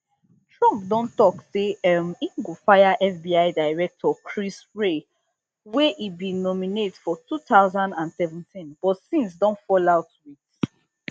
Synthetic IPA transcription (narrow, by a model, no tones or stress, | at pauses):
tʰɹɔ̃mp̚dɔ̃ntɔkseɛmĩŋɡofaɪaʔɛsbiaɪdaɪɹɛk̚tʰɔkʰɹisɹe | wɛʔibĩnɔminetfɔtutaʊzãndãnsɛvə̃ntʰĩnb̥ɔtsĩnsdɔ̃ntfɔlaʊtwit